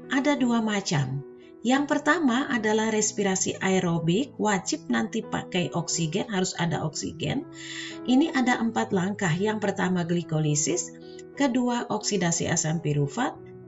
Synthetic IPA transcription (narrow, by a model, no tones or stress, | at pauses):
ʔadaduamat͡ʃam | jaŋpərt̪amaʔadalahɾɛspiɾasḭʔajɾobɪk̚wad͡ʒɪp̚nant̪ipa̰kajʔɔksiɡɛnɦaɾusa̰da̰ʔɔksḭɡɛ̰n | ʔiniʔadaʔəmpat̪laŋkahjaŋpərt̪amaɡlikolisɪs | kəduaʔɔksidasḭʔa̰sampiɾufat̪̚